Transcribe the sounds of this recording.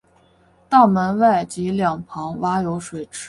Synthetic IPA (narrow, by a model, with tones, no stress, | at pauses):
t̪ɑ˥˩mə˧˥nwa˥˩ɪt͡ɕi˧˥ljɑ˨˩ŋpʰɑ˧˥ŋwa˥jo˧˥ʊʂwe˨˩ɪʈ͡ʂʰɻ̩˥